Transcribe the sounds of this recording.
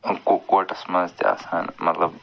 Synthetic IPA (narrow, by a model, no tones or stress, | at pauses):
kokaːʈɐsmɐzt̪ia̰ːsaːnmɐt̪lɐb